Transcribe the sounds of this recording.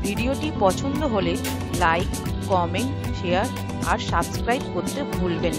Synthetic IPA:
bʱiɖioʈipɔt͡ɕʰond̪oɦole | lajkː | ɔmeɳʈ | ʃeaɾ | a̰ɾʃabskɾajp̚koɾt̪ebʱulben

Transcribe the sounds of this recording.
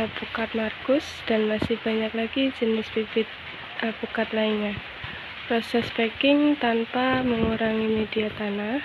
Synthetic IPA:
pukat̪̚markʊs | d̥anmasɪhb̥aɲaklaɡid͡ʒənɪspifɪt̪̚ | ʔapukat̪laɪɲa | pɾɔsɛspekɪŋt̪anpaməŋuɾaŋimediat̪anah

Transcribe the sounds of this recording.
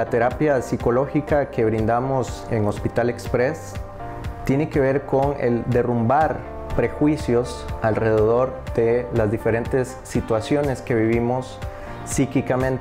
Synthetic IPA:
lat̪e̞ɾapjasiko̞lo̞xikake̞β̞ɾind̪amo̞s | e̞ŋo̞spit̪ale̞kspɾe̞s | t̪je̞ne̞ke̞βe̞ɾko̞ŋḛld̪e̞rumbaɾ | pɾe̞xwisjo̞salre̞ð̞e̞ð̞o̞ɾd̪̥e̞lazd̪ife̞ɾe̞nt̪e̞sːit̪wasjo̞ne̞ske̞βiβ̞imo̞sː | ikikamẽnt̪

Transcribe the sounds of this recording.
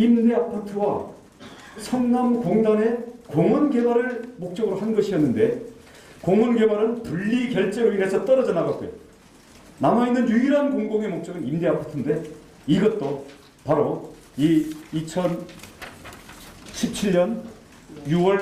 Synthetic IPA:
imde̞apʰatʰɯwa | sʰʌnːamkoŋdane̞koŋwʌnɡe̞baɾɯɭmok̚t͡ɕ͈ʌɡɯɾohanɡʌɕʰiʌnːɯnde̞ | koŋwʌnɡe̞baɾɯnpuʎːikjʌɭt͡ɕ͈eɯine̞sʰʌt͈ʌɾʌd͡ʑʌnaɡak͈ojo | namainːɯnjuiɾankoŋɡoŋe̞mok̚t͡ɕ͈ʌɡɯnimde̞apʰatʰɯnde̞ | iɡʌt̚t͈o | paɾo | iit͡ɕʰʌn | ɕʰip̚t͡ɕʰiɭɲʌn | juwʌɭ

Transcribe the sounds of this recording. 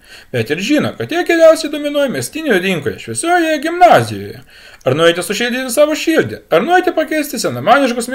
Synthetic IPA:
bʲɛt̪ɪɾʒʲiːno̰kɐt̪jiɛɡʲɛɾʲæʊsʲɛɪd̪oːmʲɪnuɔjmʲɛsʲt̪ʲinʲejɛd̪ʲiŋkoːjɛ̰ʃʲʋʲiɛsʲoːjojɛɡʲɪmnɑːzʲɪjo̰ːjɛ̰ | ɐɾnuɔɪt̪ʲɪsʊʃʲilʲd̪ʲit̪ʲɪsɑːʋoːʃʲilʲd̪ʲɪ̰ɐɾnuɔet̪ʲɪpɐkʲɛɪsʲt̪ʲɪsʲɛnɐmɑːnʲɪʃkʊsmʲ

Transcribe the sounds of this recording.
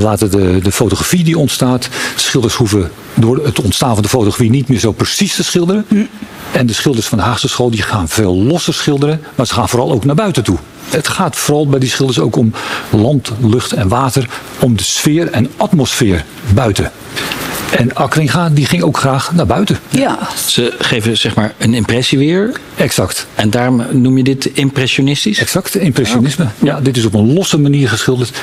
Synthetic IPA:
ʋaːtədədəfowtoχrafidiɔntstaːtsχɪlˠdərshuvə | dʊːrətɔntstaːnvɔndəfoːtoχafinitmɪːrzowpərsistəsχɪlˠdərə | ɛndəsχɪlˠdərsfɑndəɦaːχsəsχoːlˠdiχaːnv̥eːlˠːɔsərsχɪlˠdəɾəmaːsə̥xaːnfoːɾɑlˠowknaːbœɥtətu | ətχaːtfoːɾɑlˠbɛjdisχɪlˠdərsowkɔmlɑntlɵχtʰɛnʋaːtər | ɔmdəsfɪːrɛnɑtmosfɪːr | bœɥtə | ɛnɑkrɪχaːdiχɪŋowkχraːχnabœɥtə | səχejvəz̥ɛχmaːɹənɪmprɛsiʋɪːɹ | ɛksɑktɛndaːrɔmnumjədɪtɪmprɛʃonɪstisɛksɑktɪmprɛʃonɪsməjadɪtɪsɔp̬ənlɔsəmaniːɹχəsχɪlˠdərt

